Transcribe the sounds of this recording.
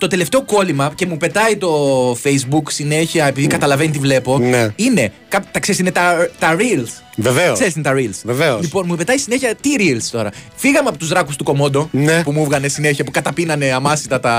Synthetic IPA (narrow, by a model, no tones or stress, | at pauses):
t̪o̞t̪e̞left̪e̞o̞ko̞limɐce̞mupe̞t̪ɐit̪o̞fejzbuksine̞çiɐe̞piðikɐt̪ɐlɐvenit̪ivle̞po̞neine̞ | kɐpt̪ɐkseisinet̪ɐt̪ɐɾils | veveoseɾisinet̪ɐɾilsveveosipo̞nmupe̞t̪ɐisineçiɐt̪iɾilst̪o̞ɾɐ | fiɣɐmeɐpo̞t̪uzðɾɐkust̪uko̞mo̞d̪o̞npumuvɣɐne̞sine̞çɐpukɐt̪ɐpinɐne̞ɐmɐsit̪ɐt̪ɐ